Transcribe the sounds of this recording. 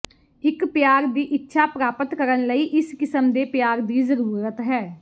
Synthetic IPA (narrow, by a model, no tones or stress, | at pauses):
ɪkpjaːɾd̪iːʔɪtːʃʰaːpɾaːpət̪kəɾənləiːʔɪskɪsəmd̪eːpjaːɾd̪iːzəɾuuːɾət̪ɦɛː